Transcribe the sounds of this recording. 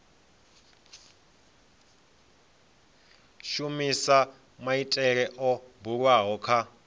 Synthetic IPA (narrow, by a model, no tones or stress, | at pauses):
ʃumisa | maitʼɛɺɛʔɔbuɺwaɦɔkʰa